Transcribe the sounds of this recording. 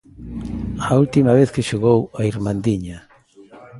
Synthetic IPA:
ault̪imaβ̞eθkeʃoɣowaiɾmãnd̪iɲa

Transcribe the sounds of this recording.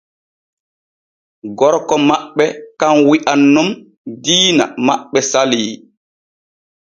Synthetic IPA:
ɡɔɾkɔmaɓːɛkanwiʔanːum | diːna̰maɓːɛsaliː

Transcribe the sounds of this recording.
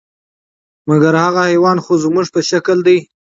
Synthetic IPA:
maɡaɾhaɣahajwɑnxozmuʐpəʃakəld̪aj

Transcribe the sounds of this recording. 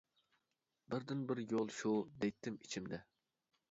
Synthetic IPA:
bɪɾd̪ɪnbɪɾjolˠʃud̪ɛjt̪ʰːɪmit͡ʃʰimd̪ɛ

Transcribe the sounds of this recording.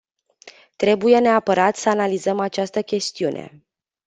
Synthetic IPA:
t̪ɾe̞buje̞ne̞apəɾat̪səanalizəmat͡ʃast̪əkʲe̞st̪iunʔe̞̰

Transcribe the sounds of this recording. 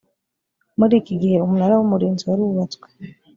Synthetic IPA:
muɾiːciɡihe̞umunaɾawomuɾiːnziaɾuuβat͡swe̥

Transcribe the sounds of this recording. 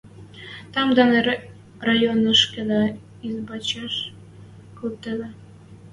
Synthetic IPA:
t̪ɑmd̪ɑne | rɑjonəʃked̪ɑ | izbɑt͡ɕɑʃ | kult̪ed̪ɑ

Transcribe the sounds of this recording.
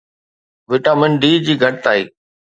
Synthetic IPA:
ʋɪʈaːmɪnɖiːd͡ʑiːɡʱɐɽ̚t̪aːiː

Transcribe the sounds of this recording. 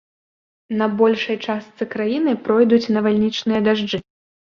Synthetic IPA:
nɐbɔlʲʂɐjt͡ʂast̪sɨkɾajinɨpɾɔjd̪ut͡sʲnɐvalʲnʲit͡ʂnɨjɐd̪aʐd͡ʐɨ

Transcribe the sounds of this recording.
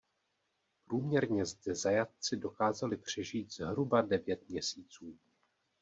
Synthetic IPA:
pɾuːmɲɛɾɲɛzdɛzajat̪̚t͡sɪdo̞kaːzalɪpr̝̥ɛʒiːt̪z̥ɦɾubadɛvjɛt̪̚mɲɛsiːt͡suː

